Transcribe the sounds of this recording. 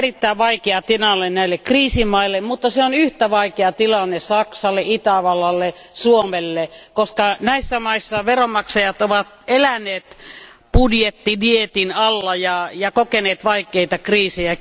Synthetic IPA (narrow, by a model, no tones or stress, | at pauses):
rit̪ːæiʋʋɑikeɑt̪inɑlːennæilːekriːsimɑilːemmut̪ːɑseonyht̪æʋɑikeɑt̪ilɑnːesɑksɑlːˑeit̪æʋɑlɑlːesuomelːekoskɑnæisːæmɑisːɑʋeromɑksɑjɑt̪oʋɑt̪elænːˑeːt̪ | pudjet̪ːidiet̪inɑlːɑjɑjɑkokeneːt̪ʋɑikˑeit̪ɑkriːsejæ